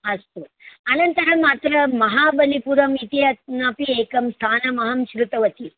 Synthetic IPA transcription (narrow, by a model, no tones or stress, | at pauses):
ɐst̪uɐnɐnt̪ɐɾɐmaːt̪ɾɐmɐɦaːbɐlipuɾɐmit̪iɐt̪̚napieːkɐmst̪ʰaːnɐmɐɦɐmʃɾut̪ɐʋɐt̪i